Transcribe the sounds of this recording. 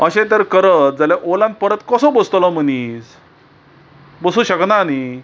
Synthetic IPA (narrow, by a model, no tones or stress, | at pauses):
əɕẽt̪̬əɾkəɾət̪̚d͡zalaʔolãnt̪̚pəɾət̪kəsɔ̃bəst̪lɔm̤ənis | bəsuɕəknani